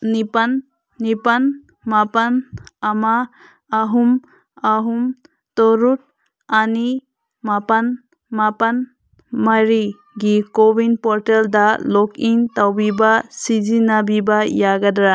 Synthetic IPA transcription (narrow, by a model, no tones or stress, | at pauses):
nipanː | ipan | mapanamaː | ɦum | aɦum | tɔɾut̚ | ani | mapan | mapan | maɾi | ɡikɔbinpɔɾteldalɔkiŋtawbibasid͡ʒinabibajaɡadɾa